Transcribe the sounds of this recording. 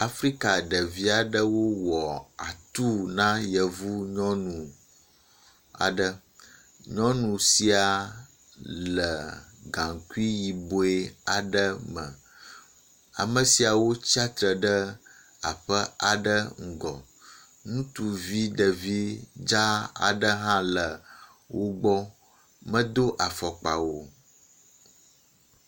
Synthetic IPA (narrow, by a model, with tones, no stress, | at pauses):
a˨fɾi˦ka˨ɖə˨vi˦a˨ɖə˦wo˦wɔ˨a̰˨t̪u˦nã˦jə˨vu˦ɲɔ̃˦nũ˨ | a̰˨ɖə˨ | ɲɔ̃˦nũ˨si˨a˨ | lə˨ɡã˨ŋ˨ku˦i˦ji˨bo˨˦e˦a˨ɖə˦mə̰̃˨ | a̰˨mə̃˨si˨a˨wo˦t͡ɕi˦a˦t̪ɾə˨ɖə˦ | a̰˨ɸə˦a˨ɖə˦ŋ̩˨ɡɔ̰˨ | nũ˦t̪u˨vi˦ɖə˨vi˦d͡ʒa˦a̰˨ɖə˦ɦã˦lə˨ | wo˦ɡ͡bɔ˦ | mə̃˦d̪o˦ʔa˨fɔ˨k͡pa̰˨wo˦